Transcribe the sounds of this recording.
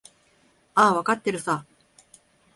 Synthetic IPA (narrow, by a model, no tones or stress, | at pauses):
aβakat̪ːeɾɯ̟sa